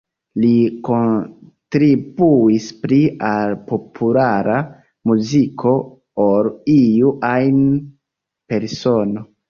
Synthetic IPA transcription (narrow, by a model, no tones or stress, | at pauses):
likontɾibuispɾialpo̞pʰulaɾa | muzikʰo̞ | olijuʔajn | pe̞ɾso̞no̞